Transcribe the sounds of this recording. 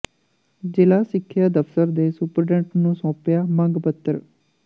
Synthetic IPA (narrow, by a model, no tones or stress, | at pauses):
d͡ʒɪlaːsɪkʰːjaːd̪əft̪əɾd̪eːsʊpəɾɖɛ̃ɳʈnũːsɔ̃ːpjaːmə̃ŋɡpət̪ːəɾ